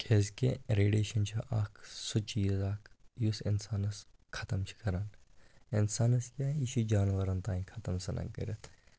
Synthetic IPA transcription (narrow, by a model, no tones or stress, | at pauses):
kʰeːzkʲeɾeːɖeːʃɐnt͡ʃʰɐʔaːkʰsut͡ʃijɐzaːkʰjusinsaːnɐskʰɐt̪ɐmt͡ʃʰi̥kʰɐɾanɪnsaːnɐskʲaːiʃud͡ʒaːnʋɐɾɐnt̪aːĩkʰɐt̪ɐmsɐnʔɐ̰kɐ̰ɾɐt̪ʰ